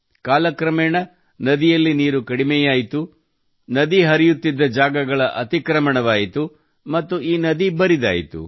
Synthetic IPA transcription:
kaːlɐkɾɐmɛːɳɐ | nɐd̪ijɐlːiniːɾukɐɽimɛjaːjit̪u | nɐd̪iɦɐɾijut̪ːid̪ːɐd͡ʒaːɡɐɡɐɭɐʔɐt̪ikɾɐmɐɳɐʋaːjit̪u | mɐt̪ːuʔiːnɐd̪ibɐɾid̪a̰ːjḭt̪ṵ

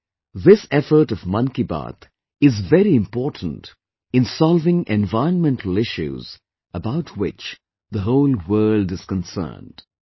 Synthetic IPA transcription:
ðɪsɛfə˞ʈʌvmʌ̃nkiba̰ːt̪ | ɪzvɛɾiɪ̃mpɔːtn̩t | ɪ̃nsɔlˠvɪ̃ŋʔɛ̃nvaɪə̃nmɛ̃ntʰəl̩ɪʃṵz | əbaʊtʰwɪ̰t͡ʃ | ðəɦoʊlˠwɜːldɪz̥kə̃nsə̰ːnd̥

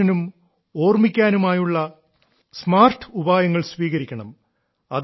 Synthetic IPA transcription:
ɐnum | o̞ːrmikʲːaːnumaːjuɭːɐ | smaːrʈʰɨ̥ubaːjɐŋːɐɭsʋiːɣɐɾikʲːɐɳɐm | ɐ̰ð

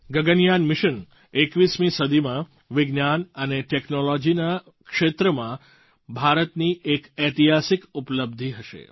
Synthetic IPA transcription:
ɡəɡənjanmɪʃən | ekʋismĩsəd̪ʱimã | ʋɪɡnanəneʈeknolod͡ʒina | kʃet̪ɾəmã | bʱaɾət̪niʔekət̪iɦasikupələb̚d̪ʱiɦəʃḛ

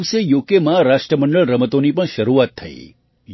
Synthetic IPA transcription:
ʋsejokemãɾaʃʈɾəməɳɖəɭɾəmət̪onipəɳʃəɾuat̪ʰːəḭ | j

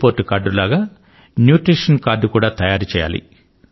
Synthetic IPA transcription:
poːɾʈːukaːɾɖulaːɡaː | njuːʈɾiːʂɐnkaːɾɖukuːɽaːt̪ɐjaːɾut͡ʃɛːja̰ːlḭ

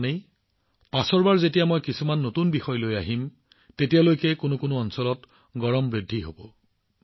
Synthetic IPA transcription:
nej | pasɔɹbaɹzetijamojkisumanːotunbixɔjlojaɦim | tetijalojkɛkonʊkonʊɔnsɔlɔt | ɡɔɹɔmbɹidʱːiɦobɔ

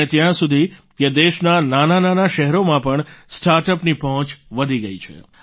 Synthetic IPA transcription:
et̪jãsud̪ʱiked̪eʃnananananaʃɛɦɛɾomãpəɳsʈaɾʈəpnipəɦə̃t͡ʃʋəd̪ʱiɡəit͡ʃʰḛ

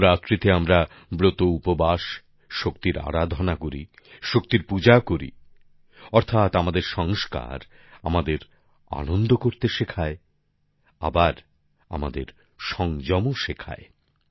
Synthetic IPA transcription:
ɾat̪ːɾit̪eamɾa | bɾot̪oupobaʃ | ʃokt̪iɾa̰ɾad̪ʱɔnakoɾḭ | ʃok̚t̪iɾpud͡ʑakoɾḭ | ɔɾt̪ʰat̪amad̪eɾʃɔŋska̰ɾ | amad̪eɾ | a̰nond̪ʱokoɾt̪eʃekʰae | a̰baɾ | a̰mad̪eɾ | ʃɔŋd͡ʑɔmoʃekʰa̰e

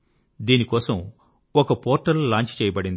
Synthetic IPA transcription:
d̪iːnikɔːsɐm | ɔkɐpoːɾʈɐlːaːɲt͡ʃt͡ʃeɛːjɐbɐɽind̪i

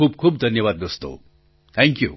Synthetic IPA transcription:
uːbkʰuːbd̪ʱɐnjəʋaːd̪̚ɡəst̪o̰ | t̪ʰɛ̃ŋkjṵ

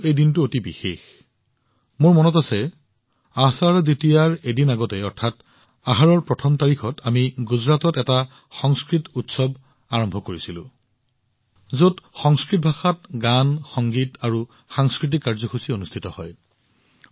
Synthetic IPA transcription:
ejdintʊotibixex | moɹmɔnɔtasɛ | asaɹditijaɹedinaɡɔtɛɔɹtʰat | aɦaɹɔɹpɹɔtʰɔmtaɹixɔtʰamiɡuzɹatɔtɛta | xɔŋskɹitutsɔb | aɹɔmbʱɔkoɹisilʊ̰̃ | zotxɔŋskɹit̚bʱaxatɡanxɔŋɡitaɹu | xaŋskɹit̬ikːaɹzɔxʰusionustʰitɔhɔj

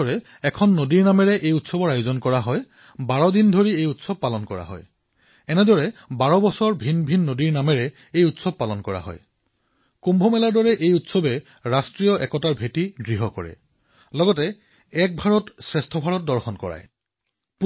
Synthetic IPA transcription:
ɔɹɛ | ɛkʰɔnːodiɹnamɛɹɛʔejutsɔbɔɹajʊzɔnkɔɹaɦɔj | baɹɔdindʱoɹiejutsɔb̚palɔnkɔɹa̰ɦɔ̰j | ɛnɛdɔɹɛbaɹɔbɔsɔɹbʱinbʱinːodiɹnamɛɹɛ | ejutsɔb̚palɔnkɔɹa̰ɦɔ̰j | kumbʱɔmɛlaɹdɔɹɛʔejutsɔbɛ | ɹastɹijɔʔɛkɔtaɹbʱetidɹiɦɔkɔɹɛ̰ | lɔɡɔtɛ | ɛk̚bʱaɹɔtsɹɛstʰɔbʱaɹɔt̚dɔɹxɔnkɔ̰ɹa̰j | p

